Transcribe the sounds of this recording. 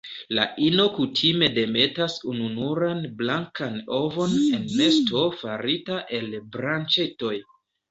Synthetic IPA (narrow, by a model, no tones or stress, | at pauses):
la̰ʔino̞kutʰime̞de̞me̞tasununuɾanblaŋkanovo̞ne̞nːe̞sto̞faɾitaʔe̞lbɾant͡ʃeto̞j